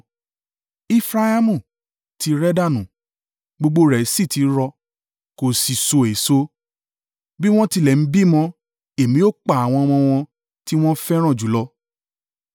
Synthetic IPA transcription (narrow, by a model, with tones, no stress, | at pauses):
i˦fɾa˧a˦mũ˦˨ | ti˧ɾɛ˦da˦˨nũ˨ | ɡ͡bo˧ɡ͡bo˧ɾɛ˨˦si˦˨ti˨˦ɾɔ˧ | ko˨si˨so˧˨e˨so˦ | bi˦w̃ɔ̃˦ti˧lɛ˨n̩˦bi˦mɔ̃˧ | e˨mĩ˨˦o˦˨k͡pa˨a˨w̃ɔ̃˧m̃ɔ̃˧w̃ɔ̃˧ | ti˦w̃ɔ̃˦fɛ˦ɾ̃ã˦˨d͡ʒu˨˦lɔ˧˦